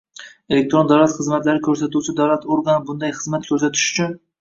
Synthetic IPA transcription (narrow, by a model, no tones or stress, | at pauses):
elek̚t̪ɾond̪awlat̪χɨzmat̪laɾɪkʲʰɵɾs̬at̪ut͡ʃʰɪd̪awlat̪ʰoɾɡanbʊnd̪ajχɨzmat̪kʰɵɾsat̪ʰɪ̥ʃʊ̥t͡ʃʰʊn